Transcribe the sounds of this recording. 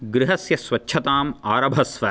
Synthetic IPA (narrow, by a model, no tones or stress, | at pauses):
ɡɾɪɦɐsjɐsʋɐtːʃʰɐt̪aːmaːɾɐbʱɐsʋɐ